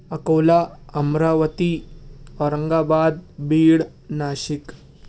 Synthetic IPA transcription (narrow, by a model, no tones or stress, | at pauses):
ɐkowlaɐmɾaʋət̪iɔɾəŋɡabad̪̚biːɽ | naːɕik